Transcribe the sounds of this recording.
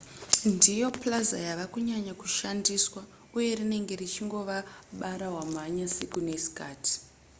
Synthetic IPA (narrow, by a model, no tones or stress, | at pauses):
ndijo̞plaza̰jaʋakuɲaɲakuʃandiswa | uje̞rine̞ŋɡe̞rit͡ʃiŋɡo̞ʋaɓaɾawam̤aɲasikune̞si̥kaːti̥